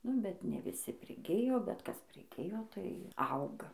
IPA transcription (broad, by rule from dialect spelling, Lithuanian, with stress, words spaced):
ˈnʊ bʲɛt nʲɛ ʋʲɪˈsʲɪ pʲrʲɪˈɡʲɪjoː bʲɛt ˈkɐs pʲrʲɪˈɡʲɪjoː tɐɪ ˈɐʊɡɐ